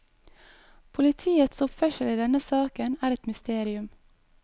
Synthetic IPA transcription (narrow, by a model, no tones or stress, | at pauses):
pʰʊlɪt̪ʰiːət̪sʊpfœʃəliːd̪ɛnəsɑːkənæːɾɛt̪mʏst̪eːɾɪʉm